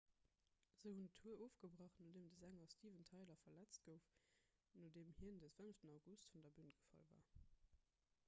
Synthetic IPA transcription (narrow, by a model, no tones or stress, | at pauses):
z̥əɦuntʰuɐoːfɡ̥əbʁɑχtnoːdeːmdəzæŋɐstiːvəntʰɑɪlɐfɐlæt͡st̚ɡ̥əʊf | nodeːmhiəndəzv̥ələftənɑʊɡustfundɐbynɡ̥əfɑ̰lva̰ː